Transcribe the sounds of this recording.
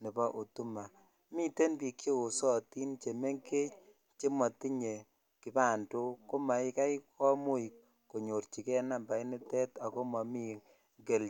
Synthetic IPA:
nɪ˨ba˦ʔu˨tu˦ma˨ | mi˦te˦npi˨kje˦o˨sɔ˦ti˦nt͡ʃe˨me˦ŋke˦t͡ʃ | t͡ʃe˦ma˨ti˦ɲe˨ | kɪ˦pa˦˨nto˦ko˦ma˨ɪ˦ka˦i˦kɔ˦mo˦i˨k̚ː | o˨ɲo˨ɾt͡ʃi˨kɛ˦na˦˨mba˨i˦nɪ˦tɛ˦ta˨ko˦ma˨mi˦ | ɡe˨l

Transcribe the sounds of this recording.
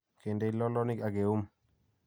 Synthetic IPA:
ke˨nde˦lɔ˦lɔ˦ni˦ka˨ɡe˨u˦m

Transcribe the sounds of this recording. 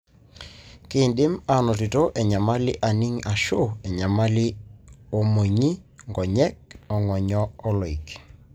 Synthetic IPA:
kɪ˦˨ndɪ˦ma˨nɔ˨tɪ˨to˦ʔɛ˨ɲa˨ma˦lɪ˦ʔa˨ni˦ŋa˨ʃo˦˨ɛ˨ɲa˨ma˦lɪ˦o˦mo˨ɲi˦ŋɡɔ˨ɲɛ˦k̚ɔ˨ŋɔ˨ɲɔ˦ɔ˦lɔ˨i˨k

